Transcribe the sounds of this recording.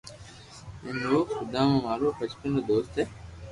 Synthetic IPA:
ẽnoːxʊd̪ãːmãːmaːɾoːfət͡ʃpə̃ːnoːd̪oːst̪eː

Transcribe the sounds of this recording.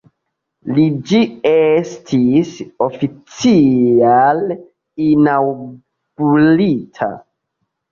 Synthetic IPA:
lid͡ʒiestʰisofit͡sial | inaw | ɡ̥ulitʰa̰

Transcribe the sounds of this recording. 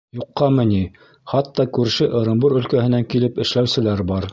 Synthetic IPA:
juqːɑmɘ̆ni | χɑt̪ːɑkʉɾʃɘʔɤ̆ɾɤ̆mbɤɾɵ̆lkæhɘ̆næŋkilɘpɘ̆ʃlæwsɘ̆læɾbɑɾ

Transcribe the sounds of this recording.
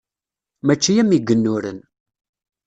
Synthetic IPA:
mæt͡ʃːijæmiɡːənːʊɾə̰n

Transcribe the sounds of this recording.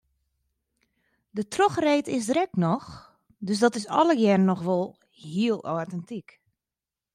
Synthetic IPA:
dətroxreːtɪs̬drɛk̚nɔx | døsdɔtɪsɔ̰ləjɛrənːɔxʋolˠ | hiəlˠotɛntik

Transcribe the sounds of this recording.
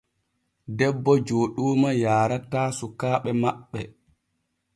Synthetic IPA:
dɛbːɔd͡ʒoːɗuːmajaːɾataːsukaːɓɛmaɓːɛ

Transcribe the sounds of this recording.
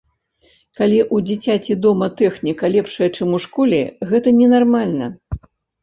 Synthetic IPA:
kalʲiʔud͡zʲit͡sʲat͡sʲid̪ɔmɐt̪ɛxnʲikɐlʲɛpʂɐjɐt͡ʂɨmuʂkɔlʲɛ̰ɣɛt̪ɐnʲɛnarmalʲnɐ

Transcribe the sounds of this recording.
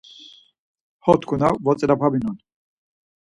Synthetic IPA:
hɔt̪kʰunavɔt͡sʼɛɾapʰabinun

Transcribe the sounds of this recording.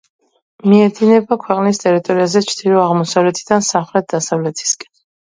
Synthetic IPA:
miɛd̪inɛbakʰwɛqʼnist̪ʼɛɾit̪ʼɔɾiazɛt͡ʃʰd̪ilɔaʁmɔsavlɛt̪ʰid̪̥ansamχlɛt̪̚ʰd̪asavlɛt̪ʰi̥skʼɛ̥n

